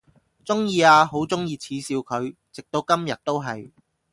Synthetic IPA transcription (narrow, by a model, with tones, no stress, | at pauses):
t͡sʊ˥ŋjiː˧aː˧ɦo˨˥wt͡sʊ˥ŋjiː˧t͡sʰiː˨˥siː˨˧wkʰɵ˨˧ɥt͡sɪ˨k̚t̪o˨˥wkɐ˥mjɐ˨t̚t̪ːo˥wɦɐ˨j